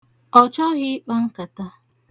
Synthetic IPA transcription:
ɔ˨t͡ʃɔ˦ɣɪ˦k͡pa˦ŋ̩˦ka˨ta˦

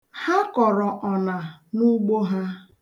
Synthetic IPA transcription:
ha˦kɔ˨ɾɔ˨ʔɔ˨na˨nu˦ɡ͡bo˦ɦa˦

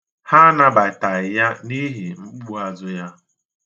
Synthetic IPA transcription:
ha˦na˦ba˨ɪ˨ta˨ɪ˨ja˦ni˦ɦi˨ŋ͡m̩˦k͡pu˦a˦zʊ˦ja˦

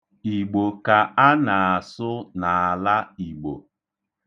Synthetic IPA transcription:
i˨ɡ͡bo˨ka˨a˦na˨a˨sʊ˦na˨a˨la˦i˨ɡ͡bo̰˨

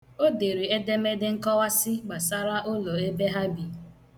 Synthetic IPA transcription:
o˦de˨ɾi˨e˦de˦me˦dɪ˦ŋ̩˦kɔ˦wa˦sɪ˦ɡ͡ba˨sa˦ɾa˦ʔo˦lo˨e˦be˦ɦa˦bi˨

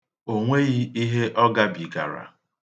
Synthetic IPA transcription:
o˨ŋʷe˦ɣi˦i˦ɦe˦ʔɔ˦ɡa˦bi˨ɡa̰˨ɾa̰˨

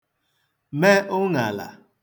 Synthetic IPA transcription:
me˦ʔʊ˦ŋa˨la̰˨

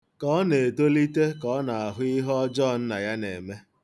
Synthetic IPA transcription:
kɔ˦ɔ˦ne˨to˦li˦te˦kɔ˦na˨a˨ɦʊ˦i˦ɦɔ˦d͡ʒɔ˦˨n̩˦na˨ja˦nḛ˨me˦

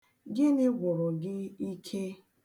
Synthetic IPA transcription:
ɡɪ˦nɪ˦ɡʷʊ˨ɾʊ˨ɡɪ˦i˦kʰe˦

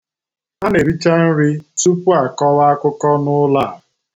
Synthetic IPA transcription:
a˦ne˨ɾi˦t͡ʃa˦n̩˦ɾi˦tu˦pu˦a˨kɔ˦wa˦kʷʊ˦kɔ˦nʊ˦la˦˨

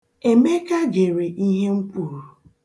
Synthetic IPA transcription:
e˨me˦ka˦ɡe˨ɾe˨ʔi˦ɦe˦ŋ͡m̩˦kʷu˦˨ɾo˨

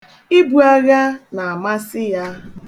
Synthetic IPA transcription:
i˦bu˨a˦ɣa˦na˨a˨ma˦sɪ˦ja˦

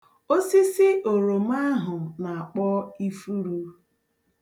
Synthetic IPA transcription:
o˦si˦sɪ˦ʔo˨ɾo˨m̩˦a˦ɦʊ˨na˨a˨k͡pɔ˦i˦fu˦ɾu˦

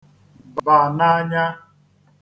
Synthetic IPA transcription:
bba˨na˦ɲa˦

